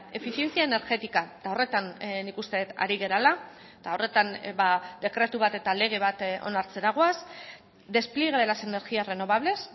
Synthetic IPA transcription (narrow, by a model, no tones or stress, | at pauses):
e̞fiθje̞nt͡siaene̞ɾɣe̞t̪ikat̪ao̞re̞t̪annikust̪e̞ðet̪a̰ɾiɣ̞e̞ɾala | t̪aore̞t̪anbad̪e̞kɾe̞t̪uβat̪e̞t̪ale̞ɣ̞e̞β̞at̪o̞̰naɾt͡se̞ɾaɣ̞oas | d̪e̞splieɣeelasene̞ɾɣiare̞no̞βaβ̞le̞s